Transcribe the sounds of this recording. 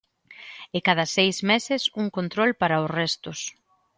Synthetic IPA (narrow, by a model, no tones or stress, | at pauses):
ekað̞ɐsejzmesɪsuŋkont̪ɾɔlpaɾɐʊsrɛst̪ʊs